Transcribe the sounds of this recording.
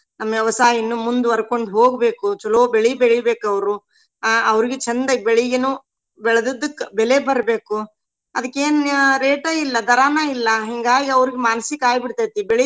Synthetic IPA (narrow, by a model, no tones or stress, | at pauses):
nɐmːɐʋjɐʋɐsaːjinːumund̪uʋɐɾkoɳɖɦoːɡbe̞ːkut͡ʃɔlobeɭibɛɭibeːkɐʋɐɾu | ɐʋɐɾiɡet͡ʃɐnd̪ɐɡbeɭiɡɐnu | bɛɭɐd̪id̪ːukːbɛlebɐɾbeːku | ɐd̪ɐkːeːnɾeːʈɐilːɐd̪ɐɾaːnailːɐɦiŋɡaːɡɡeɐʋɐɾiɡemaːnɐsikaːjbiɽt̪aːjt̪ibɛɭi